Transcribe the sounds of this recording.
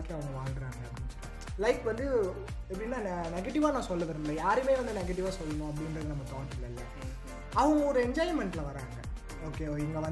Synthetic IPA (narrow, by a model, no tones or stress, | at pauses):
kːeɐʋɐŋɡɐʋaːlɡɪɾaːŋɡɐ | lɐɪkʋɐnd̪ɯ | ɛp̬ːɐɽɪnːaːnnɛɡɛʈɪʋaːnãːsɔlːɐʋɐɾɯnlɐjaːɾɯmeːʋɐnd̪ɯnɛɡɐʈ̬ɪʋaːsɔlːɐnõːɐp̬ːɐɽɪnɾɐðɯnɐmːɐt̪ɔːʈɪlːɐɪlːɐ | ɐʋɐ̃ŋɡɔɾɯɛɲd͡ʒaːjmɛɳʈɪlɐʋɐɾa̰ːŋɡɐ̰ | oːkːeːɛŋɡɐʋɐn